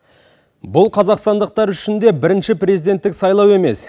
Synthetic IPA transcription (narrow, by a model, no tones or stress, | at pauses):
bʊlˠqʰɑzɑqst̪ɑnd̪əq̚t̪ɑɾʏʃɪnd̪e̞bɪɾɪnʃɪprʲe̞zijd̪e̞nt̪ːɪksɑjlˠɑwe̞me̞s